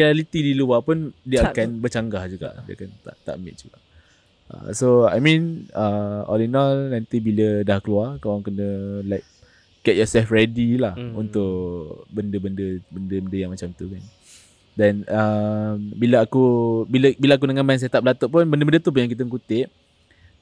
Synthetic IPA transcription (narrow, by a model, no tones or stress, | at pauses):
ialit̪idiluapʊndiəakanbət͡ʃaŋɡahd͡ʒuɡa̰ʔdia̰kant̪a̰ʔt̪a̰ʔmbɪ̰t̪̚d͡ʒuɡa | ə̰soa̰jmĩnəɔ̰linanant̪ibilədahkəluakawaŋkənəlaɪk̚ | ɡ̥ɛt̚jɔsɛlfrɛdilahunt̪ʊʔbəndəbəndəbəndəbəndəjaŋmat͡ʃamt̪ukan | dɛnəmbiləakubiləbiləak̬unəŋamans̬et̪ap̚lat̪oʔp̬ʊnbəndəbəndət̪up̬ʊnjaŋkit̪əŋkut̪ɪʔ̚